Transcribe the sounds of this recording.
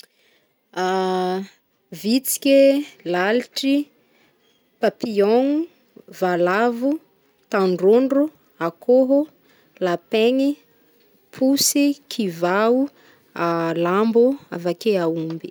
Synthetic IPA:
a | vit͡si̥kʲelaliʈ͡ʂi | papioŋu | valavu | t̪aɳɖ͡ʐoɳɖ͡ʐu | akoɦo | lapeŋi | pʰusikʰivau | alambua̰vakeaumbi

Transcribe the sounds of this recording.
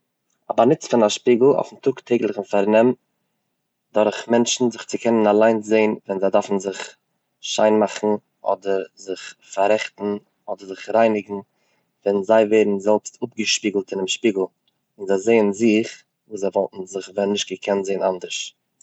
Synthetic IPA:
a̰banɪt͡sfɪnaʃpiːɡl̩ˠɔ̰fn̩tʰʊktʰeɪɡlˠɪχɪnfaɾnɛm | dɔɾχmɛnt͡ʃn̩zɪχt͡sɪkʰɛnənalˠaɪnzeɪnvɛnzaɪdafn̩zɪχ | ʃaɪnmaχn̩ | ʔɔ̰dəɾzɪχfaɾɛχtn̩ | ɔdəɾzɪχɾaɪnɪɡŋ̩ | vɛnzaɪveɪɾn̩zɛlˠpstʰʊp̚ɡəʃpiːɡl̩ˠtɪnɪmʃpiːɡl̩ˠ | ɪnzaɪzeɪənzɪχ | vuːszaɪvɔlˠtn̩zɪχvɛnɪʃtɡ̥əkʰɛntzeɪnandəɾʃ

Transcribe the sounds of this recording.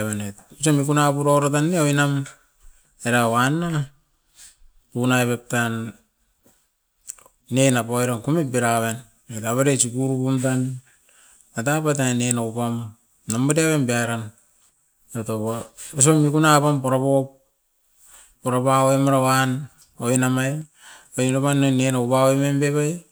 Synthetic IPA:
βanetus̬omikunapuɾoɾatanːeoinam | eɾawanːa | punaeβep̚tan | enapojɾankumet̚biɾaβen | etaβaɾesikuɾupumtanː | atapat̬anenaupam | namaɾiaβenbiaɾan | otoβaos̬omikunapampoɾaβop | pːoɾapaoemaɾawan | oinamaj | ojnoβanːonenaupaoemenbeβaj

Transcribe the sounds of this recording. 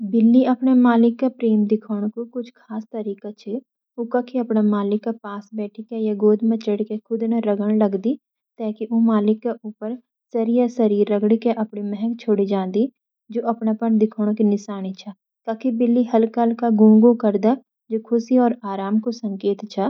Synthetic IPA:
bɪlːiəpnemaːlɪkːapɾeːmd̪ɪkʰoːɽ̃kokʊt͡ʃʰkʰaːst̪əɾiːkat͡ʃʰɛ | okakʰiəpnamaːlɪkːapaːsbɛːʈʰikejaɡoːd̪mə̃t͡ʃəɽkekʰʊd̪naɾəɡəɽ̃ləɡd̪i | t̪ɛːkiʔoːmaːlɪkːeʔʊpəɾ | səɾijasəɾiːɾːəɡɽikeʔɐpɳimɛɦɛkt͡ʃʰoːɽid͡ʒãːnd̪i | d͡ʒoːəpnapənd̪ɪkʰoːɽ̃kinɪʃaːñit͡ʃʰa | kaːkibɪlːiɦəlkalkaɡũːŋɡokəɾd̪a | d͡ʒoːkʰʊsiɔːɾaːɾaːmkosə̃ŋkeːt̪t͡ʃʰaː

